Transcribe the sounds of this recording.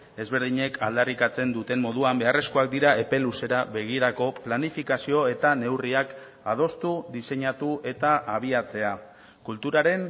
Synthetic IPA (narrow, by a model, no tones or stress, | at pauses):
e̞zβe̞ɾð̞iɲe̞kʰald̪arikat͡se̞nd̪ut̪e̞mmo̞ðuambe̞are̞sko̞ak̚d̪iɾaʔe̞pe̞luse̞ɾaβe̞ɣ̞iɾako̞planifikasio̞e̞t̪ane̞wriak | að̞o̞st̪ud̪ise̞ɲat̪uʔe̞t̪aʔaβ̞iat͡se̞a | kult̪uɾaɾe̞n